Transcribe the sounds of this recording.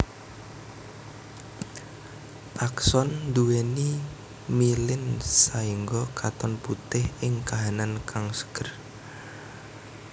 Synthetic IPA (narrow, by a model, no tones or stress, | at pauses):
ʔaksɔnd̪uweni | milɪnsaiŋɡɔkʰat̪ɔnput̪ɪhɪŋkaɦanankʰaŋsə̥kər